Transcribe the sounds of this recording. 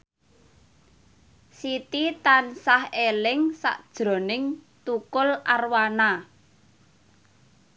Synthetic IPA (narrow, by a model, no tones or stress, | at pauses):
sit̪it̪ansahelɪŋsa̰ʔd̥ʒ̥ɾɔ̤nɪŋ | t̪ukʊlarwana